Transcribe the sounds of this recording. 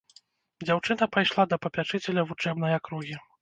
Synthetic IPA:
d͡zʲawt͡ʂɨnɐpajʂlˠad̪ɐpɐpʲat͡ʂɨt͡sʲɛlʲɐvut͡ʂɛbnɐjɐkɾuɣʲi

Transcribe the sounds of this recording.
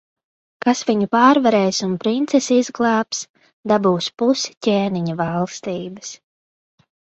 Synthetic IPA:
kasviɲupɑːɾvaɾɛːjsunpɾint̪sɛsizɡlˠɑːps | d̪abuːspuscʲeːniɲavɑlˠst̪iːbɐs

